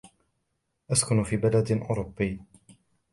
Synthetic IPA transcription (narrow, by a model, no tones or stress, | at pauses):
ʔaskʊnfiːbalad̪ʔʊ̰ːɾʊbːɪjː